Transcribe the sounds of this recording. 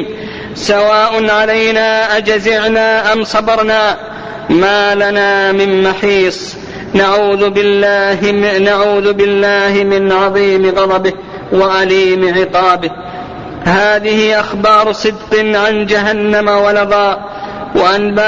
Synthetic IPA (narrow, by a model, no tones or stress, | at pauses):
sawaːʔʊnʕalajnaːʔad͡ʒazɪʕnaːʔamsˤɑbɑɾˤnaː | maːlanaːmɪmmaħiːsˤ | naʕuːðɪlːaːnaʕuːðbɪlːaːhɪmɪnʕɑðˤiːmɪɣɑðˤɑbɪh | waʔaliːmʕɪqɑːbɪh | haːðɪhɪʔaxbɑːɾˤsˤɨd̪qɨʕand͡ʒaɦanːamawalɑðˤɑːʔ | waʔanba